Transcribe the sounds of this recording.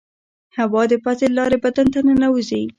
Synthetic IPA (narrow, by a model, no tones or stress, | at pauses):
hawɑd̪əpat̪elɑɾebad̪ant̪anənawuzi